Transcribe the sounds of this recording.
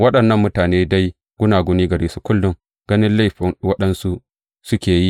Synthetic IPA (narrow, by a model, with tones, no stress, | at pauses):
wɐ˦ɗɐ˨nːɐ˦˨mːʊ˦taː˨neː˦da˦j | ɡʷʊ˦naː˨ɡʷʊ˦niː˦ɡɐ˨ɾiː˦su˦kʷʊ˦lːʊ˦ŋ | ɡ̥ɐ˦nɪ˦nla˦jɸɪ˨ŋwɐ˦ɗɐ˦nsu˦ | sʊ˦kʲeː˨ji˦